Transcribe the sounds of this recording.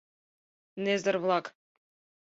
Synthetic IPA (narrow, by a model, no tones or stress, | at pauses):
nezʲɘ̆rβlˠɑk